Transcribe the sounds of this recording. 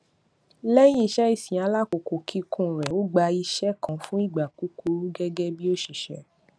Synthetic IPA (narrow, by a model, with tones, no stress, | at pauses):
lɛ˦j̃ĩ˦i˨ʃɛ˦i˦˨sĩ˨a˨˦la˦ko˨ko˨kʰi˦kʰũ˦˨ɾɛ˨o˨˦ɡ͡ba˧i˧ʃɛ˦kã˨˦fũ˦i˦˨ɡ͡ba˨ku˨˦ku˨˦ɾu˦ɡɛ˦ɡɛ˦bi˦o˦ʃi˨ʃɛ˨˦